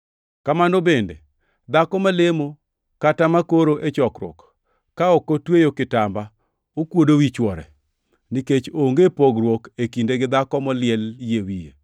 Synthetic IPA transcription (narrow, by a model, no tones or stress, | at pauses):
kamanobende | d̪akɔmalemo | katamakoɾoʔet͡ʃɔkɾɔ̰kː | aɔkːotwejokɪtamba | okwodowit͡ʃwɔɾɛ̰ | niket͡ʃoŋɡepoɡɾwɔkekindeɡɪd̪akɔmɔlɪɛljewijḛ